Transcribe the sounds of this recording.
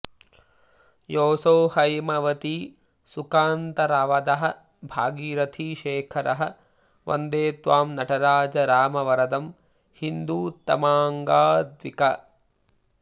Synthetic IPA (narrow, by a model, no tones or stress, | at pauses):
joːsoːhɐjmɐʋɐt̪i | sukaːnt̪ɐɾaːʋɐd̪ɐɦɐ̆ | bʱaːɡiːɾɐt̪ʰiːʃeːkʰɐɾʔɐɦɐ̆ | ʋɐ̰nd̪eːt̪ʋaːmnɐʈʰɐɾaːd͡ʒɐɾaːmɐʋɐɾɐd̪ɐm | hind̪uːt̪ɐ̰maːŋɡaːd̪ʋikɐ